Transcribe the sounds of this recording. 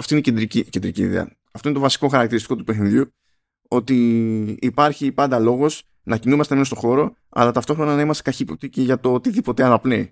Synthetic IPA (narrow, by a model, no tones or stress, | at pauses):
ɐft̪oineced̪ɾicicend̪ɾiciːðḛɐ̰ | ɐft̪o̞int̪ovɐsi̥ko̞xɐɾɐk̚t̪iɾist̪i̥ko̞t̪upexniðʝu | o̞t̪iː | pɐɾçipɐnd̪ɐlo̞ɣo̞s | nɐcinumɐst̪emeost̪o̞xo̞ɾo̞ | ɐ̰lɐt̪ɐft̪o̞xɾo̞nɐnɐimɐst̪e̞kɐçiːpop̚t̪iceʝɐt̪o̞ot̪iðipo̞t̪e̞ɐnɐplei